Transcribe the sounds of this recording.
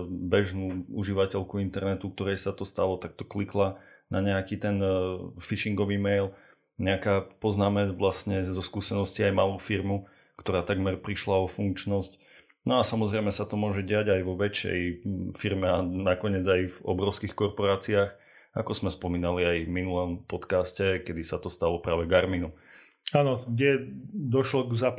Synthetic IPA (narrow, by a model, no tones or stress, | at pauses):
bɛʒnuuʒiʋacɛʎkuint̪ɛɾnɛt̪uk̚t̪ɔɾɛjsat̪ɔst̪alɔt̪ak̚t̪ɔ̥kliklanaɲɛakit̪ɛnfiʃiŋɡɔʋiːmɛjl | ɲɛakaːpɔznaːmɛd͡zʋlastɲɛzɔskuːsɛnɔsciajmaːluːfiɾmu | kt̪ɔɾaːt̪aɡmɛɾpɾiʃlaɔfuŋkt͡ʃnɔsc | nɔasamɔzɾɛjmɛsat̪ɔmʊɔʒɛɟɪaɟajʋɔʋɛt͡ʃːɛ̰jfiɾmɛanakɔɲɪɛd͡zajvɔ̰bɾɔʊskixkɔɾpɔɾaːt͡siax | akɔzmɛspɔmiːnaliajminulɔmpɔt̪kaːscɛkɛd̪isat̪ɔst̪alɔpɾaːʋɛɡaɾminu | aːnɔɡɟɛd̪ɔʃlɔɡza